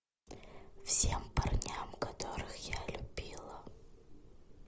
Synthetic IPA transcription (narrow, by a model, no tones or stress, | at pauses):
fsʲempɐrnʲamkɐt̪o̞ɾɨxjalʲʊb̥ʲilˠə